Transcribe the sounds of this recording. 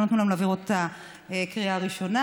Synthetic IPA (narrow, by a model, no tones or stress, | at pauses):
not̪nulamlaviʁot̪a | ekʁiaːʁiʃo̞na